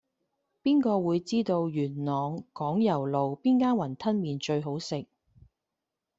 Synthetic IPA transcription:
piː˥nkɔː˧wuː˨˧jt͡siː˥t̪o˧wjyː˨˩nnɔː˨ŋkɔː˨˥ŋjɐ˨˩wlo˨wpiː˥nkaː˥nwɐ˨˩nt̪ʰɐ˥nmiː˨nt͡ʃɵ˧ɥɦo˨˥wsɪ˨k̚

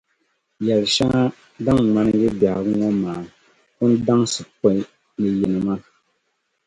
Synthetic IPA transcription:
jɛ˨lʃa˦ŋa˦ | da˦ŋŋa˦nɨ˦ɡɨ˦ba˨ha˨bɨ˦ŋɔ˦maː˨ | kʊ˦n˦da˦ŋsɨ˨p̚o˦ | nɨ˨ji˨nɨ˨ma˦

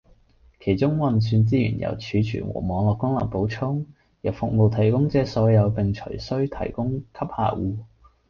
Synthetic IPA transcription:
kʰe˨˩jt͡sʊ˥ŋwɐ˨nsyː˧nt͡siː˥jy̰ː˨˩njɐ̰˨˩wt͡ʃʰyː˨˧t͡ʃʰy̰ː˨˩nwɔ̰ː˨˩mɔː˨˧˥ŋlɔː˨˧kːʊ˥ŋlɐ̰˨˩po˨˥wt͡sʰʊ˥ŋ | jɐ˨˩wfʊ˨k̚mo˨wt̪ʰɐ˨˩jkʊ˥ŋt͡sɛː˥sɔː˨˧˥jɐ˨˧wpɪ˨ŋt͡ʃʰɵ̰˨˩jsɵ˥ɥt̪ʰɐ̰˨˩jkʊ˥ŋkʰɐ˥p̚ha̰ː˧˩wuː˧

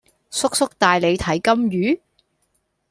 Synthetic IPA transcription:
sʊ˥k̚sʊ˥k̚t̪aː˨jle˨˧jt̪ʰɐ˨˥jkɐ˥mjyː˨˥

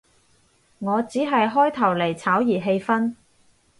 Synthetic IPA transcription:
ŋɔː˨˧t͡siː˨˥ɦɐ˨jɦɔː˥jt̪ʰɐ˨˩wle˨˩jt͡sʰaː˨˥wjiː˨˩ɦe˧jfɐ˥n

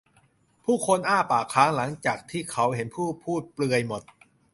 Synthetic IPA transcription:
pʰuː˥˩kʰo˧nʔaː˥˩paː˨˩kʰːaː˦˥ŋla˩˦ŋt͡ɕaː˨˩k̚t̪ʰiː˥˩kʰa˦˥wɦe˩˦npʰuː˥˩pʰuː˥˩t̪̚plɯ˧əjmo˨˩t̪̚

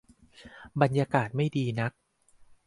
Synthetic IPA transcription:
ba˧njaː˧kaː˨˩t̪̚ma˥˩jdiː˧na˦˥k̚

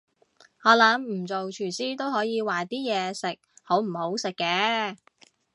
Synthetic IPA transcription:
ɔː˨˥lɐ˨˥mm̩˨˩t͡so˨wt͡ʃʰyː˨˩siː˥t̪o˥wɦɔː˨˥jiː˨˧waː˨t̪iː˥jɛː˨˧sɪ˨k̚ho˨˥wm̩˨˩ho˨˥wsɪ˨kːɛː˧˥

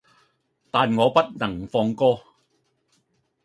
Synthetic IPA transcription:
t̪aː˨nŋɔː˨˧pɐ˥t̚nɐ˨˩ŋfɔː˧ŋkɔː˥

